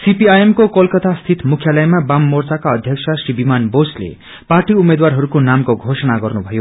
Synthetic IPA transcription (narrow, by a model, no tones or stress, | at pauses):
sipiajemkokʌlkʌt̪ast̪ʰit̪mukʰjalʌjmabamːort͡sakaʌd̪ʱjʌksʰasribimanboslḛ | parʈiumed̪warɦʌɾukonamkoɡʱosʌnaɡʌrnubʱʌjo